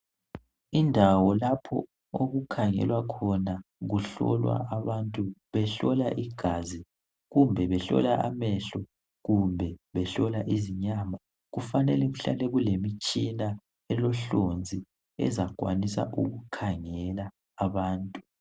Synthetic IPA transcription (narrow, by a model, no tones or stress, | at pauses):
indʱawɔlapʰɔ | oɣukʰaŋɛ̰lwakʰɔnaɣuɬɔ̰lwa̰ʔaβantʼuβɛɬɔlaʔiɡ̥ʱazi | ɣumbʱɛβɛɬɔ̰laʔa̰mɛɬɔ | ɣumbʱɛβɛɬɔlaʔiziɲaːma | ɣufanɛlɛɣuɬa̰lɛɣulemit͡ʃʼina | ɛlɔɬond͡zʱi | ɛ̰zakʼwa̰nisa̰ʔuɣukʰaŋɛlaː | βaːntʼu